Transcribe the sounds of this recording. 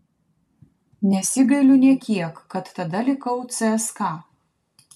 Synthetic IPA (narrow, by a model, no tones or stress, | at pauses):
nʲɛsʲɪɡɐɪlʲʊnʲiɛkʲiɛkːɐt̪ːɐd̪ɐlʲɪkɐʊt̪sɛɛskɑː